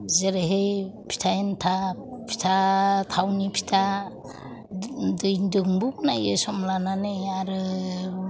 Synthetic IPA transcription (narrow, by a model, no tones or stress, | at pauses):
zeɾeɦejpʰi̥tʰajentʰapʰi̥tʰatʰawnipʰi̥tʰa | dɯjdɯŋbuk̚najesɔmlananejaɾɯ